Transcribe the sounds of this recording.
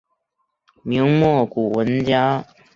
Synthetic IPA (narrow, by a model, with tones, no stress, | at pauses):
mi˧˥ŋmwɔ˥˩ku˨˩wə˧˦nt͡ɕja˥